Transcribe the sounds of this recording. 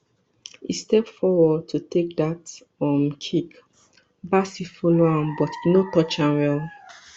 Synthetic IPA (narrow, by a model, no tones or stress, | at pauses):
ḭstɛpfɔwɔd̚tʰutek̚dat | ɔ̃mkʰik | basifoloãmbɔtnotɔt͡ʃãnwɛl